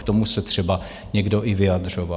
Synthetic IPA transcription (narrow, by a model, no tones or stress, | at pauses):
kt̪omusɛt̪r̝̥ɛba | ɲɛɡdo̞ʔɪvɪad̪r̝ova